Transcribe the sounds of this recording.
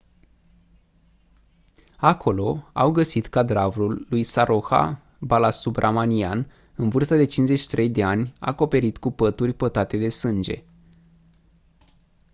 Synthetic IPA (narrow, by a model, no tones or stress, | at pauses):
akʰo̞lo̞awɡəsit̪kad̪ɾavɾulːujsaɾoxa̰ | balasubrʔamanian | ɨnvɨrst̪ad̪e̞t͡ʃinze̞t͡ʃi̥t̪ɾe̞jd̪e̞anʲa̰ko̞pe̞ɾit̪kupət̪urʲpət̪at̪e̞d̪e̞sɨnd͡ʒe̞̰